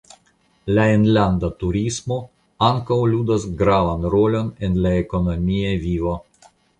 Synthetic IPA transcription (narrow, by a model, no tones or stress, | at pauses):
laenlandatuɾismo̞ | aŋkawludasɡɾavanɾo̞lo̞ne̞nlaeko̞nomiavivo̞